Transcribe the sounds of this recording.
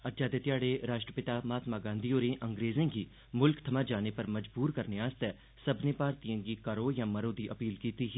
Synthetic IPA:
ɐt̪d͡ʒaːd̪et̪ɪjaːɽeɾaːʃʈɾəpɪt̪aːmaːt̪maɡãːnd̪ʱioːɾẽʔɐ̃ŋɡɾeːzẽːɡiː | mʊlkt̪ʰɐmad͡ʒaːnepɐɾmɐd͡ʒbuːɾkɐɾneaːst̪ɛː | sɐbʱnepaːɾt̪ijẽːɡikɐɾoːjãːmɐɾoːd̪iʔɐpiːlkiːt̪iɦi

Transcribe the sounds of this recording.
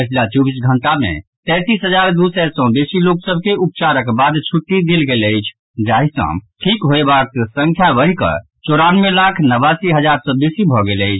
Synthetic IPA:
ət͡ʃʰlat͡ʃɔbisɡʱəɳʈamḛ̃t̪ɛ̃t̪isɦəd͡ʒaɾd̪usɛɾsɔ̃besiloksəb̚ʱkeup̚t͡ʃaɾəkbad̪t͡ʃʰuʈːid̪elɡeləjt͡ʃʰ | d͡ʒaɦisə̰̃ʈʰikɦoebat̪sə̃ŋkʰjabəɦikə̰ | t͡ʃoɾanmelakʰnəβasiɦəd͡ʒaɾsɔ̃besibʱɔɡeləɪt͡ʃʰ

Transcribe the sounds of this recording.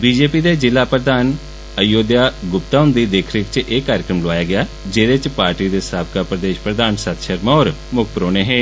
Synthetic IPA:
biːd͡ʒeːpiːd̪eːd͡ʒɪlːaːpɾəd̪aːn | əjoːd̪jaːɡʊpt̪aːʊ̃nd̪iːd̪eːkʰɾɪkt͡ʃʔeːkːaːɾɪkɾəmloʋaːjaːɡɪjaː | d͡ʒeːɾet͡ʃpaːɾʈiːd̪eːsaːb̚kapɾəd̪eːʃpɾəd̪aːnsət̪ʃəɾmɔːɾ | mʊkʰpɾoːneːɦɛ̃ː

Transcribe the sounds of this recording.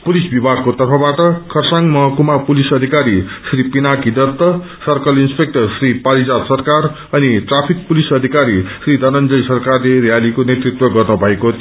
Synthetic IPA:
pulisbibʱaɡ̚kot̪ʌrpʰʌbaʈʌkʰʌrsaŋmʌɦʌkumapulisʌd̪ʱikaɾisripinakid̪ʌt̪ːʌ | sʌrkʌlinspek̚ʈʌrsripaɾid͡zad̪sʌrkar | ʌniʈrapʰik̚pulisʌd̪ʱikaɾisrid̪ʱʌnʌnd͡zʌjsʌrkarlerjalikonet̪rit̪wʌɡʌrnubʱʌekot̪

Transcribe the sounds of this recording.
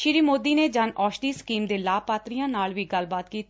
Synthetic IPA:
ʃɪɾiːmoːd̪iːneːd͡ʒanɔːʃʈiːsə̥kiːmd̪eːlaːpaːt̪ɾijãːnaːlʋiːɡəlbaːt̪kiːt̪ː

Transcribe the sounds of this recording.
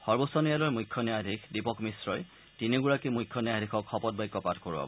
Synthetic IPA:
xɔɹbɔsɔnijalɔjmujkʰːjɔnjadʱikʰdipɔkmisɹɔj | tineɡuɹakimujkʰːɔnjadikʰɔkʰːɔpɔt̚bajkːɔpatʰkoɹuba̰bɔ

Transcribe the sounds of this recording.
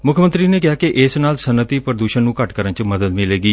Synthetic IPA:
mʊkʰəmə̃nt̪ɾiːneːkɪaːkiʔɪsnaːlsənət̪iːpəɾəd̪uːʃənːũːkəʈkəɾənt͡ʃməd̪əd̪mɪleːɡiː

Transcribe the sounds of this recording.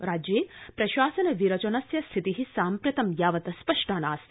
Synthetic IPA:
ɾaːd͡ʒjeːpɾɐʃaːsɐnɐʋiɾɐt͡ʃɐnɐsjɐst̪ʰit̪iɦisaːmpɾɐt̪ɐmjaːʋɐt̪ɐspɐʂʈaːnaːs

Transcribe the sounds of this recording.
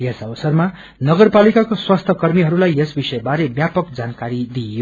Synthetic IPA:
jesʌbʌsʌrma | nʌɡʌrpalikakoswast̪ʰʌkʌrmiɦʌɾulajesbisʌjbaɾebjapʌkd͡zankaɾid̪ijo

